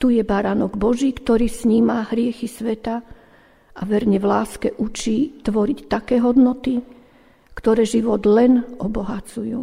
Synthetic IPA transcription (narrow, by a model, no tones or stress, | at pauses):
t̪ujɛbaɾanɔɡbɔʒiːkt̪ɔɾiːsɲiːmaɦɾɪɛxisʋɛt̪a | ʔa̰ʋɛɾɲɛʋlaːskɛʔut͡ʃiːt̪ʋɔɾict̪akɛːɦɔd̪nɔt̪i | kt̪ɔɾɛːʒiʋɔd̪lɛnʔɔbɔɦat͡sujuː